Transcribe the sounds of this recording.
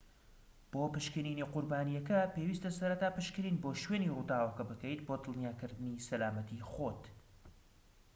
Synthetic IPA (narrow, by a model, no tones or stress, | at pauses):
b̥oːpɨʃkɨɾiniːqʊɾbaːnijɐkɐpewiːst̪ɐsɐɾɐt̪aːpɨʃkɨɾiːnboːʃweːnirud̪aːwɐkɐbɨkɐjt̪boːd̪ɨlˠnjaːkɨɾd̪ɨnisɐlaːmɐt̪ixot̪